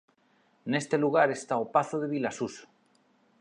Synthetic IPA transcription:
ene̞st̪e̞luɣ̞aɾe̞st̪aopaθoðe̞βilasus

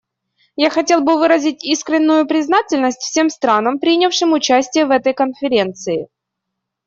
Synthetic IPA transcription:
jaxɐtʲe̞lˠbɨvɨɾəzʲɪtʲiskɾʲɪnʲːʊjʊpɾʲɪznatʲɪlʲnəsʲtʲfsʲe̞mst̪ɾanəmpɾʲinʲɪfʂɨmʊt͡ɕæsʲtʲɪjəvɛt̪əjkənfʲɪɾʲe̞nt̪sɨɪ

